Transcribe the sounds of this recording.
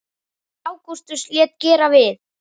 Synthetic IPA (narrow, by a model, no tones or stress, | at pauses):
aːwkust̪ʏsljɛːt̪̚cɛːɾavɪð